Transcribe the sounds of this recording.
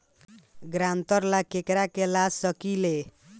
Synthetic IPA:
ɡɾant̪ʌɾlakekɾakelasʌkile

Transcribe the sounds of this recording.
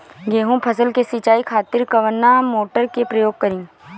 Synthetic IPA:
ɡeːɦũpʰəsəlkesit͡ʃaːikʰaːt̪ɪɾkɐʋənːamoːʈəɾkepɾəjoːɡ̚kəɾĩː

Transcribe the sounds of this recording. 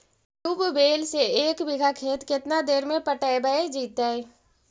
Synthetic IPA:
ʈupbeːlseeːkbɪɡʱakʰeːt̪kɪt̪nad̪eːɾmẽpəʈəjbəed͡ʒiːt̪ae

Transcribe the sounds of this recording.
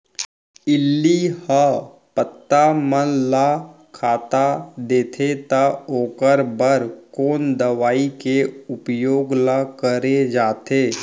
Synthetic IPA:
ɪlːihə | pət̪ːamənla | kʰaːt̪ad̪eːt̪ʰet̪aoːkəɾbəɾkoːnd̪əʋaːikeʊpjoːɡlakəɾed͡ʒaːt̪eː

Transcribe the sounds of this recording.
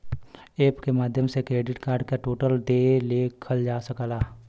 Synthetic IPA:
eːpkemaːd̪ʱjəmsekɾeːɖɪʈkaːɾɖ̚kaʈoːʈəld̪eːleːkʰəld͡ʒaːsəkəlaː

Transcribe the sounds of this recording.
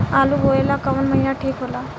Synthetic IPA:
aluboelakəmənməɦjaʈʰikɦola

